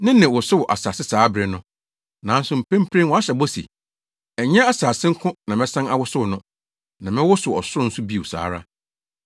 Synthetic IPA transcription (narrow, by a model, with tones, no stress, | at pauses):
nɪ̃˦nɪ̃˨wʊ˨sʊ˦wʊ˨ʔa̰˨saː˨sɪ˦saː˨˦bɾɪ˨nʊ̃˦ | nã˨˦n̩˦sʊ˨m̩˨pʰẽ˦m̩˦pʰɾẽ˦nwɔ˨a˦ɕɛ˨bɔ˦sḭ˨ | ɛ˨ɲɛ̃˦a˦˨saː˨sɪ˦ŋ̩˦kʰʊ̃˦nã˨mɛ̃˦sã˦na˨wʊ˦sʊ˦wnʊ̃˦ | nã˨mɪ̃˦wʊ˦sʊ˨ɔ̰˨sʊ˦ɾʊ˦n̩˦sʊ˦bi˦˨wʊ˨sa̰ː˨˦ɾa̰˦